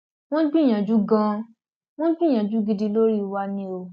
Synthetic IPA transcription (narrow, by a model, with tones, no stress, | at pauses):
w̃ɔ̃˦ɡ͡bĩ˦˨ã˨d͡ʒu˦ɡã˧ | w̃ɔ̃˦ɡ͡bi˦˨j̃ã˨d͡ʒu˨˦ɡi˧di˧lo˦ɾi˦wa˧nĩ˧o˧˨